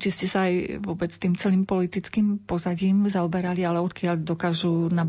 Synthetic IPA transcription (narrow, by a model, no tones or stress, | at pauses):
t͡ʃiscɛsaːjʋʊɔbɛt͡st̪iːmt͡sɛliːmpɔlit̪it͡skiːmpɔzaɟiːmzaɔbɛɾalialɛɔt̪kɪaʎd̪ɔkaːʒuna